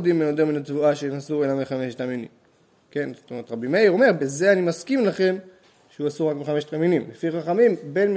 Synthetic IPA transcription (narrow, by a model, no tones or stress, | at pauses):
d̪immenod̪eʁminatvuaʃenasuelameχameʃt̪aminḭm | ke̞nzot̪omeʁet̪ʁabimeiʁo̞me̞ʁbeze̞animaskimlaχe̞m | ʃeuasuʁakmiχameʃt̪aminimlefiʁaχamimbe̞nm